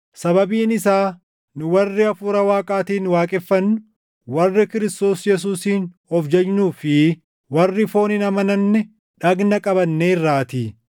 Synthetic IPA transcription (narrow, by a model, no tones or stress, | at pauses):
sɐbɐbiːnɪsaː | nʊwɐrːɪɐfuːɾɐwaːkʼaːt̪iːnwaːkʼɛfːɐnːʊ | wɐrːɪkɪɾɪst̪o̞ːsjɛs̬uːsiːnhɔfd͡ʒɛd͡ʒnuːfɪ | wɐrːɪfo̞ːnɪnɐmɐnɐnːɛ | ᶑɐɡnɐkʼɐbɐnːeːɪrːaːt̪iː